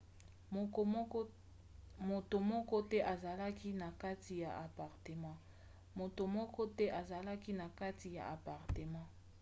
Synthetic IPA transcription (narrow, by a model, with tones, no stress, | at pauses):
mo˨to˨mɔ˦kɔ˦tɛ˦ʔa˨za˨la˦ki˦na˨ka˦ti˨ja̰˨a˨pa˨ʁte˨mã˦ | mo˨to˨mɔ˦kɔ˦tɛ˦ʔa˨za˨la˦ki˦na˨ka˦ti˨ja̰˨ʔa˨pa˨ʁte˨mã˦